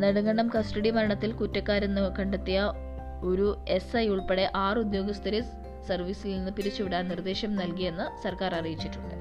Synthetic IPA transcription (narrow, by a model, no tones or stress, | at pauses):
nɐɽuŋɡɐɳɖɐmkɐsʈɐɽimɐɾɐɳɐt̪ːilkutːɐkːaːɾenːɨkɐɳɖɐt̪ːijɐ | o̞ɾue̞sɐjuɭpeɽe̞ʔaːrud̪jo̞ːɡɐst̪ʰɐɾis | sɐrʋiːsilninːɨpiɾit͡ɕːuʋiɽaːnnird̪eːɕjɐmnɐlkije̞nːɨsɐrkaːrɐrijit͡ɕːitːuɳɖɨ̰